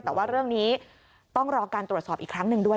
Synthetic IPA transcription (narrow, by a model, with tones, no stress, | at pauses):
t̪ɛː˨˩waː˥˩ɾɯ˥˩əŋniː˦˥ | t̪ɔ˥˩ŋɾɔː˧kaː˧nt̪ɾu˨˩t̪̚sɔː˨˩p̚ʔiː˨˩kʰɾa˦˥ŋnɯ˨˧˩ŋdu˥˩ə